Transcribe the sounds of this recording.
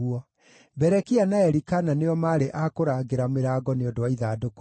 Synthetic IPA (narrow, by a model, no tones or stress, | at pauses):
uɔ | bɛɾɛkianaɛɾikananeɔmaːɾeʔakoɾaːɡeɾameɾaɡɔneɔdoaiðaːdoko